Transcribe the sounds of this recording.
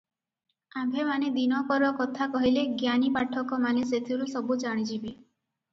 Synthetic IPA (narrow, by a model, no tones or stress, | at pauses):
abʱemaned̪inɔkɔɾɔkɔt̪ʰakɔɦileɡjanipaʈʰɔkɔmaneset̪ʰiɾusɔbud͡ʒaɽ̃id͡ʒʰibi